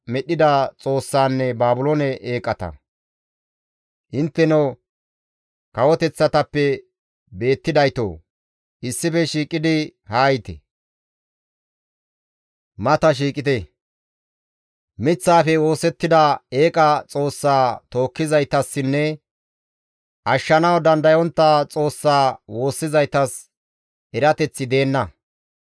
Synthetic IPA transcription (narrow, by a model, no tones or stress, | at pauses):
mɛɗɪd̪ɐt͡sʼo̞ːsːaːnːɛbaːbʊloːnɛʔeːkʼːɐt̪ɐ̰ | ʔɪnt̪ːɛno | kɐwɔt̪ɛt͡sːɐt̪ɐpːɛ | be̞ːt̪ːɪd̪ɐjt̪o̰ː | ʔɪsːɪfɛʃiːkʼːɪd̪ɪhaːjt̪ɛ̰ | mɐt̪ɐʃ̬iːkʼɪt̪ɛ | mɪt͡sːaːfɛwo̞ːsɛt̪ːɪd̪ɐeːkʼɐt͡sʼo̞ːsːaːt̪o̞ːkːɪzɐjt̪ɐsːɪnːɛ | ʔɐʃːɐnɐwd̪ɐnd̪ɐjɔnt̪ːɐt͡sʼo̞ːsːaːwo̞ːsːɪzɐjt̪ɐs | ɛɾɐt̪ɛt͡sːɪd̪e̞ːnːɐ